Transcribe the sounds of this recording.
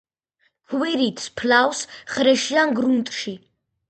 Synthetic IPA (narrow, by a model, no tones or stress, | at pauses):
kʰwɛɾit̪ʰspʰlawsχɾɛʃiaŋɡɾunt̪ʼʃi